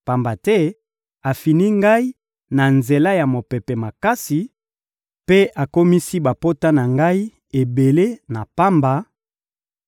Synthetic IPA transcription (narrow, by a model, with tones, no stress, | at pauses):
pa˦mba˨tɛ˦ | a˨fi˨ni˦ŋɡa˦i˦ | na˨nze˨la˦ja˨mo˨pɛ˨pɛ˨ma˨ka˦si˨ | pe˦ʔa˨ko˦mi˦si˦ba˨po˦ta˦na˨ŋɡa˦i˦ | e˨be˨le˦na˨pa˦mba˨